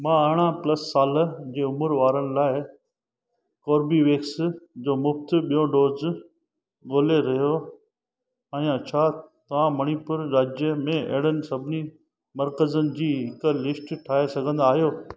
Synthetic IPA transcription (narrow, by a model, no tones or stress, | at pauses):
mãːɐɽ̃ãplɐsːaːld͡ʑeːʊmʊɾʋaːɾənɪ̆laːɪ | koːɾbiʋeːksd͡ʑoːmʊft̪ɓijõɖoːz | ɡoːleɾɐɦijo | ɛ̃ːɐt͡ɕʰat̪ɐʋ̤ãmɐɽ̃ipʊɾɾaːd͡ʑjəmẽḛːɽənɪ̆sɐbʱɪni | mɐɾkəzənɪ̆d͡ʑiːɦɪkəlɪsʈʈʰaːɦesɐɡʱə̃nd̪aːɦjoː